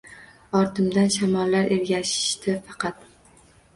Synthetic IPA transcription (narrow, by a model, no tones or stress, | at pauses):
ɒɾt̪ʰɪmd̪anʃamɒlːaɾʔe̞ɾɡʲaʃɪ̥ʃt̪ʰɪfɑqʰɑt̪